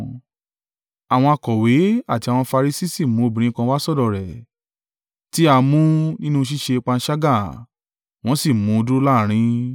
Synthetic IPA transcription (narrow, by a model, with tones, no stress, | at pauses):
a˨w̃ɔ̃˧a˧kɔ˨we˨˦a˦˨ti˧a˨w̃ɔ̃˧fa˧ɾi˧si˦si˦˨mũ˨˦o˧˨bĩ˨ɾ̃ĩ˧˦kã˧wa˦sɔ˦˨dɔ˨ɾɛ˨ | ti˨˦a˧mũ˦nĩ˦nũ˦ʃ̬i˦ʃe˧k͡pã˧n̩˦ʃa˦ɡa˦˨ | w̃ɔ̃˦si˦˨mũ˨˦˧du˦la˦˨ɾ̃ĩ˧˦